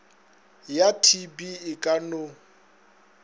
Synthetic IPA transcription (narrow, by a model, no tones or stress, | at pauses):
jatʰibiɪkʼano